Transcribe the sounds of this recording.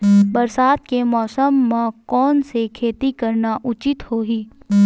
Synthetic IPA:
bɐɾsaːt̪kemɔːsəmːẽkɔːnsekʰeːt̪ikɐɾnaʔʊt͡ʃɪt̪hoːɦiː

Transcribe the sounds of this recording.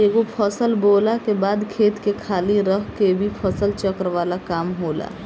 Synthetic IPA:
eɡopʰəsəlbolakebaːd̪kʰet̪kekʰaːliɾəɦkebʱipʰəsəlt͡ʃəkəɾʋaːlakaːmɦola̰

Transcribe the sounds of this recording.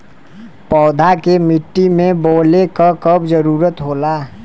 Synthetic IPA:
pɔːd̪ʱakemiʈːimẽboːlekəkəbd͡ʒəɾuːɾət̪ɦoːlaː

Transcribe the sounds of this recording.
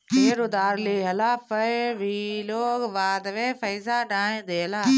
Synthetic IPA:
keːɾʊd̪aːɾleːɦɐlaːfəʋiloːɡʋaːd̪ʋeːfɐjzaːɗãːẽːd̪eːlaː

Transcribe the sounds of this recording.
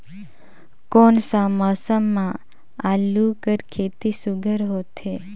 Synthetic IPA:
konsãmɔsəmːã | alukəɾkʰet̪isuɡʱəɾɦot̪ʰe

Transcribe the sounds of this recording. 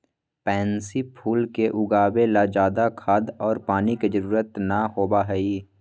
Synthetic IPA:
pɛ̃ːnsipʰuːlkeʔʊɡaːwelad͡ʒaːd̪akʰaːd̪ɔːɾpaːniked͡ʒəɾuːɾət̪naɦoːbaɦɛiː

